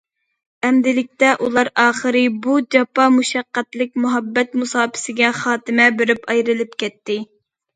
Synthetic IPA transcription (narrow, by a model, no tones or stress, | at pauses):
ɛmd̪ɪlɪk̚ʲt̪ɛʔulˠɑɾɑːχəɾɨbud͡ʒɑpɑmuʃɑqːæt̪lɪk̚ʲmuɦɑbːɛt̪musɑːpɪ̥sɪɡʲɛχɑːt̪ɪmɛbɪɾɪpɑjɾɨlˠɨpkʲɛt̪ːɪ